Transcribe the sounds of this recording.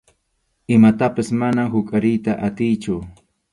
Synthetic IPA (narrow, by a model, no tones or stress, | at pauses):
ɪmat̪apasmanahʊkʼaɾɪjt̪aʔat̪ɪjt͡ʃʊ